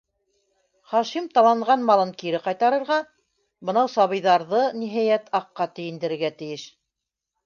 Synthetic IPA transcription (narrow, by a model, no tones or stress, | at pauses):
χɑʃimt̪ɑlˠɑɴʁɑnmɑlˠɤŋkiɾɘqɑjt̪ɑɾɤ̆ɾʁɑ | bɤ̆nɑwsɑβɤ̆jðɑɾðɤniɦæjæt̪ɑqːɑt̪ɘ̆jɘ̆nd̪ɘ̆ɾɘ̆ɾɡæt̪ɘ̆jɘʃ